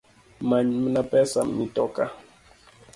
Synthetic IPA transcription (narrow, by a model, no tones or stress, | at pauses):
maɲmənapɛsammitɔka